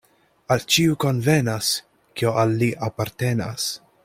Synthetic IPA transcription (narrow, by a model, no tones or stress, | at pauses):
alt͡ʃiuko̞nvenas | kioʔalːiʔapaɾt̪e̞na̰s